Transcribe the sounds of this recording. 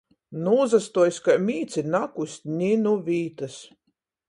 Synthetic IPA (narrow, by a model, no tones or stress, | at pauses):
nuːzast̪uɔjskajmʲiːt̪sʲinakusʲnʲinuvʲiːt̪as